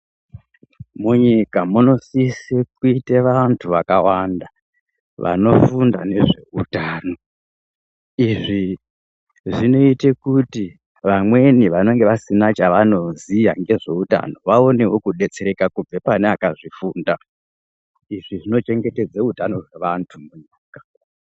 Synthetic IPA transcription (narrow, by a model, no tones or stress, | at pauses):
muɲikamuno̞sisekuiteʋantʰuʋakawanda | ʋʔa̰no̞funda̰ne̞ʐe̞utaːno̞ | iʐi | ʐino̞ite̞kuti | ʋamwe̞niʋano̞ŋɡe̞ʋasinat͡ʃaʋano̞zijaŋɡe̞ʐe̞uta̰no̞̰ʋao̞ne̞wokuɗe̞t͡se̞ɾe̞kakub͡vepaneakaʐifuːnda | iʐiʐino̞t͡ʃe̞ŋɡe̞te̞d͡zeutano̞rwe̞ʋantʰumuɲiːkḁ